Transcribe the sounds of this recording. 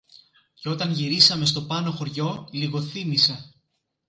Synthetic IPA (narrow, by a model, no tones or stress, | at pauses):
ceo̞t̪ɐnʝiɾisɐme̞st̪o̞pɐno̞xo̞ɾʝo̞liɣo̞θimise